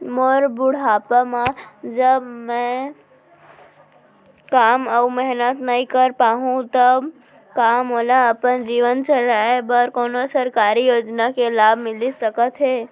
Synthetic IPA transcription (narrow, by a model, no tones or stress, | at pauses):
moːɾbʊɽ̤aːpamãd͡ʒəbmɛ̃ | kaːməumɛɦnət̪nəĩkəɾpaːɦũt̪əb | kaːmɦoːlaɐpənd͡ʒiːʋənt͡ʃəɾaːebəɾkoːnosəɾkaːɾijoːd͡ʒnakelaːbʱmɪlisəkət̪ɦeː